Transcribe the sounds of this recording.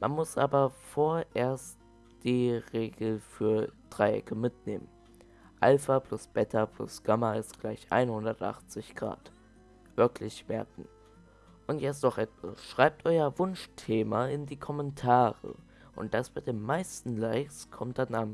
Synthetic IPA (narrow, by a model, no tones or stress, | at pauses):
mʔanmʊsʔaːbɐfoːɐʔeːɐst | d̥iːʁeːɡl̩fyːɐd̥ʁaɪʔɛ̰kʰəmɪtnḛːmən | ʔalfɐplʊsb̥ɛtʰɐplʊ̰sɡ̥amɐɪstɡ̥laɪçʔa̰ɪnhʊndɐtʔa̰χt͡sɪçɡ̥ʁa̰ːt | v̥ɪɐklɪçmɛɐk̚ŋ̩ | ʔʊntjɛt͡stnɔχʔɛtv̥a̰sʃʁ̥aɪp̚tʔɔʏɐvʊnʃtʰeːmaɪndiːkʰɔmɛntʰaːʁə̰ | ʔʊ̰nt̚d̥asb̥aɪdeːmmaɪstn̩laɪkskʰɔmt̚d̥anan